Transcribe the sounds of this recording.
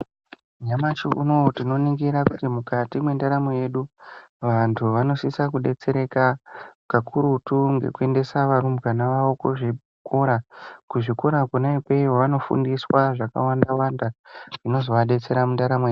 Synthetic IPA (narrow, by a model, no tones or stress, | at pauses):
ɲamat͡ʃukṵnotino̞niŋɡiɾakutimukatimwe̞ndaɾamoje̞ɗuʋantʰuʋano̞sisakuɗe̞t͡se̞ɾe̞kakakʰuɾutuŋɡḛkue̞nde̞saʋaɾumbɡanaʋaokuʐi | kʰo̞ɾakuʐiko̞ɾakunaipeiwoʋano̞fṵndiswaʐaka̰wandawandaʐino̞zo̞ʋaɗe̞t͡se̞ɾamundaɾamoeu